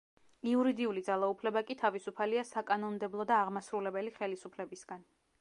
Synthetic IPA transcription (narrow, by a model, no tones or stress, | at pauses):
iuɾid̪iulid̪zalˠaupʰlɛbakʼit̪ʰavisupʰaliasakʼanɔnmd̪ɛblˠɔd̪aːʁmasɾulɛbɛliχɛlisupʰlɛbisɡan